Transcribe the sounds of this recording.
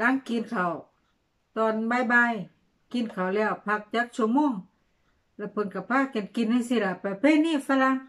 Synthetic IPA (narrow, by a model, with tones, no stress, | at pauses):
la˧˥ŋki˨nkʰa˨˩w | t̪ɔː˨˩nbaː˧˨jbaː˧˨j | ki˨nkʰa˨˩wlɛː˧˩wpʰa˧k̚t͡ɕaː˧˦k̚su˧˩˨moː˧˥˨ŋ | lɛ˧˩pʰɤ˨˦nka˧˩pʰaː˧˥˨ka˨nki˨nha˧˨si˧˨la˧˩pa˨˧˩pʰe˧˥˨niː˧˥˨fa˧˨la˧˥˨ŋ